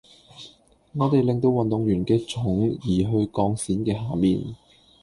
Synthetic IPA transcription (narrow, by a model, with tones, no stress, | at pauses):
ŋɔː˨˧t̪e˨jlɪ˨˩ŋt̪o˧wɐ˨nt̪ʊ˨ŋjyː˨˩nkɛː˧t͡sʰʊ˨˥ŋjiː˨˩ɦɵ˧ɥkɔː˧ŋsiː˨˥nkɛː˧ɦaː˨˩miː˨n